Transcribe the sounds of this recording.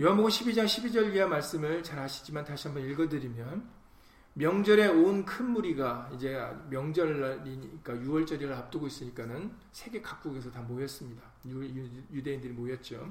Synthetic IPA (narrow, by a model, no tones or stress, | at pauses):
joɦanboɡumɕʰibid͡ʑaŋɕʰibid͡ʑʌɾiiɦamaɭs͈ɯmɯɭt͡ɕaɾhaɕʰi̥d͡ʑimantaɕʰiɦambʌniɭɡʌdɯɾimjʌn | mjʌŋd͡ʑʌɾe̞onkʰɯnmuɾiɡaid͡ʑe̞̰mjʌŋd͡ʑʌɭːɾiik͈ajuwʌɭt͡ɕ͈ʌɾiɾɯɭap̚t͈ɯɡois͈ɯɲik͈anɯn | sʰe̞ɡe̞kak̚k͈uɡe̞sʰʌtamojʌs͈ɯmɲida | jude̞indɯɾimojʌt̚t͡ɕ͈o̰